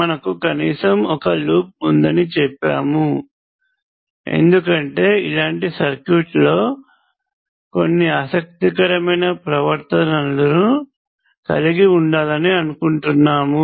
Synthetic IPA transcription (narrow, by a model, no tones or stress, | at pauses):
mɐnɐkukɐniːsɐmɔkɐluːp̚und̪ɐnit͡ʃɛpːa̰ːmu | e̞̰nd̪ukɐɳʈe̞ːḭlaːɳʈisɐɾkjuːʈlo̞ː | ko̞̰nːiaːsɐk̚t̪ik̬ɐɾɐmɐjnɐpɾɐʋɐɾt̪ɐnɐlɐɾu | kɐ̰liɡiuɳɖaːlɐniɐnukuɳʈunːaːmu